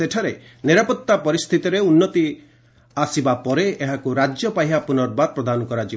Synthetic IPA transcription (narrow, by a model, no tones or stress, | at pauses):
eʈʰaɾe | niɾapɔt̪ːapɔɾist̪ʰit̪iɾeunːɔt̪i | asibapɔɾeeɦakuɾad͡ʒjɔpaɦiɦapunɔɾbaɾ̚pɾɔd̪anɔkɔɾad͡ʒi